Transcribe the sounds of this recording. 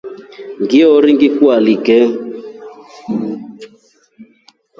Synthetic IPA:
ŋɡiɔɾiŋɡikualiɡɛ

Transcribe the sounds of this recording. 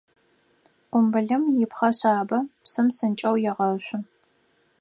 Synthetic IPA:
ʔʷʊmbɨɮɐmjɪpχɐɕaːbɐpsɨmsɨnt͡ʃʼɐwjɛʁɐɕʷʊ

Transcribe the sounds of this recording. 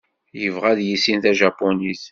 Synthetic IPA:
jəvʁæðjisinθæʒapːɔniθ

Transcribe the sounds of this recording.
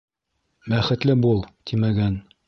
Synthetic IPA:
bæχɘ̆t̪lɘbulˠt̪ʰimæɡæn

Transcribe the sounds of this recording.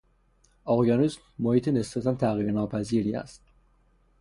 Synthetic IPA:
ɑjɑːnismːohiːt̪ʰenesbæt̪ʰænt̪ʰæɣiːɾenɒːpʰæziːɾiːæ̰st̪̚

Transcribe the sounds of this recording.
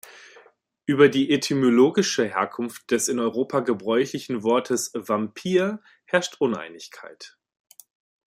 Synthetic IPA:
ʔyːbɐdiːʔetʰimoloːɡɪʃəɦeːɐkʰʊnft̚d̥ɛsɪnɔʏʁ̞oːpʰaɡəbʁɔʏçlɪçn̩vɔɐtʰəsvampʰiːɐ | hɛɐʃtʔʊnʔa̰ɪnɪçkʰa̰ɪt

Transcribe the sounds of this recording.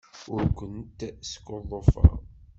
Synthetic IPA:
ʊɾkʷənt̪sə̥kːoðˤːofə̰

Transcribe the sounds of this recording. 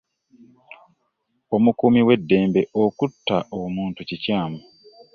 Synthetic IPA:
o̞mukumiwe̞dːe̞ːmbe̞ʔo̞kutːaomuːntucicaːmu

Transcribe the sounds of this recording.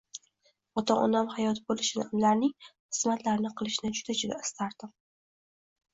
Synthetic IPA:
ɒt̪ʰɒɒ̰namhajɒt̪ʰɪbolɪʃɪnamlaɾnɪŋχɨ̥smat̪laɾnɪqʰɨlˠɪʃɪnɪd͡ʒʊd̪ad͡ʒɪɡʲaɪ̥st̪ʰaɾd̪̥ɪm

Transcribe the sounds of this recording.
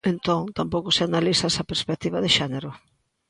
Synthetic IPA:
ent̪oŋt̪ampowkʊsɪanalisɐɛsɐpeɾspek̚t̪iβɐðeʃɛneɾʊ

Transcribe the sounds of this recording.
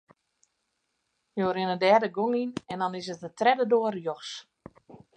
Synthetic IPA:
joːɾɪnədɛdəɡoŋinɛndɔnɪsətətrɛdədoərjoxs

